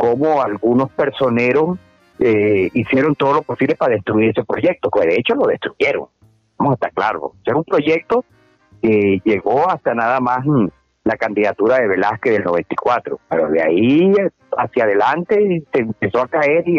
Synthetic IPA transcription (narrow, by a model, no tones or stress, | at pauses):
ko̞moalɡuno̞spe̞ɾso̞ne̞ɾo̞s | eisje̞ɾo̞nt̪o̞ð̞o̞lo̞po̞siβle̞paɾaðe̞st̪ɾuiɾe̞sepɾo̞ʝe̞k̚t̪okeðeet͡ʃo̞lo̞ðe̞st̪ɾuʝeɾo̞̰ŋ | amosast̪aklaɾo̰seumpɾo̞ʝe̞k̚t̪o̞ | keʝe̞ɣo̞ast̪anaðamas | lakand̪iðat̪uɾaðe̞βe̞laskeðe̞lno̞β̞e̞nt̪i̥kwat̪ɾo̞peɾo̰ðea̰i | a̰sjað̞e̞lant̪e̞sempe̞so̞akae̞ɾi